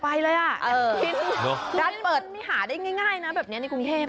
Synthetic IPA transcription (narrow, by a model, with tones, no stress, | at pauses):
pa˧jlɤː˧jʔa˨˩ʔɤː˧fi˧˥no˧˥˧kaː˧npɤː˨˩t̪̚ma˦˥˩ɦaː˩˦daː˥˩jŋaː˥˩jŋaː˥˩jna˦˥bɛː˨˩p̚ni˦˥na˧jku˧ŋt̪ʰeː˥˩p̚